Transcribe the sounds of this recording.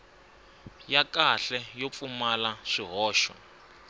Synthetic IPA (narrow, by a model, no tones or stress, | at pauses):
jakaɬɛjop̪fumalaʂiɦɔːʃɔ̰